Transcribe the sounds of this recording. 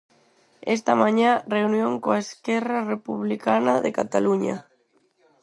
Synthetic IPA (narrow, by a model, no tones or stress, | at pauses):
est̪amaɲãreunjoŋkoaeskɛrarepuβlikanaðekat̪aluɲa̰